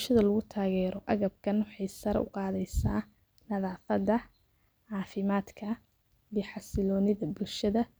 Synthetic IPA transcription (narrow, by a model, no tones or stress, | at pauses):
bʃɐðɐlɐɣʊt̪ʰaːɣɛːɾʔɔʔɐɣɐb̚kʰɐnwɑħɑjsɐɾ̰ʊ̰qɑːðɛjsaː | nɐðɑːfɐd̪ɐ | ʕɑːfɪmaːd̪kʰɐ | iːħɑsɪlɔːnɪðɐbʊlʃɐðɐ